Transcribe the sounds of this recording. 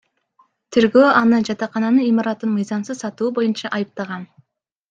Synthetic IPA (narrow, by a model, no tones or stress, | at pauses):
t̪ʰeɾɡøːɑnɯd͡ʒɑt̪ɑqɑnɑnɯnimɑɾɑt̪ɯnmɯjzɑmsɯzsɑt̪uːbo̞junt͡ʃɑʔɑjɯp̚t̪ɑʁɑn